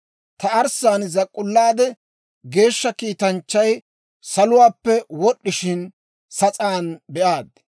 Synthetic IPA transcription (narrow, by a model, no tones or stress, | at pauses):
t̪ɐɐɾsaːnɪzɐkʼʊlːaːd̪ɛ | ɡe̞ːʃːɐkiːt̪ɐnt͡ʃːɐj | sɐlʊwaːpːɛwɔɗːɪʃɪn | sɐt͡sʼaːnbɛʔaːd̪